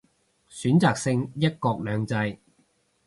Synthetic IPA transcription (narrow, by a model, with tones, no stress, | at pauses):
syː˨˥nt͡saː˨˧k̚sɪ˧ŋjɐ˥t̚kɔː˧k̚lœː˨˧ŋt͡sɐ˧j